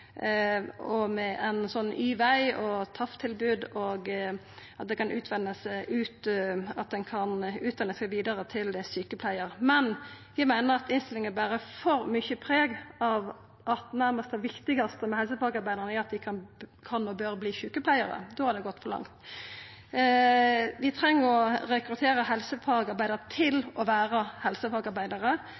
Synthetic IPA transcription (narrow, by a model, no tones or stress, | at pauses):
ɔmɛʔɛnsɔnːyːʋæɪɔt̪ʰɑft̪ʰɪlbʉːd̪oɡ | ʔɑt̪̚d̪ɛkʰɑnʔʉːt̪ʰʋɛnːəsæɪʔʉːt̪ɑt̪̚d̪ɛnkʰɑnʉːt̪ʋɛnːəsæʋiːd̪əɾət̪ʰɪlsyːkəpʰlæɪəɾmɛn | jæɪmæɪnəʁɑt̪ɪnst̪ɪlɪŋəbæːɾəfɔɾmʏçəpʰɾeːɡɑʋ | ʔɑt̪næɾməst̪əʋɪkt̪ɪɡɑst̪əmɛhɛls̬əpʰɑɡɑɾbæɪd̪əʁnæɑt̪̚d̪ɪkʰɑnkʰɑnɔbøɾbliːçʉːkəpʰlæɪəɾə̰d̪oːhɑɾd̪ɛɡɔt̪ːfɔɾlɑ̰ŋt̪ | ʋɪt̪ʰɾɛŋːəɾɔɾɛkɾʉt̪ʰeːɾəɦɛlsəpʰɑɡɑɾbæɪd̪əʁət̪ʰɪlɔʋæːɾɑhɛlsəpʰɑɡɑɾbæɪd̪ɑʁə